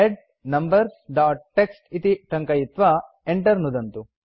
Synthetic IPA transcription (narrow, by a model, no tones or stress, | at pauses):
eɖ | nɐmbɐɾsɖaːʈ̚ːeksʈit̪iʈɐŋkɐjit̪ʋa | eɳʈɐɾnud̪ɐnt̪u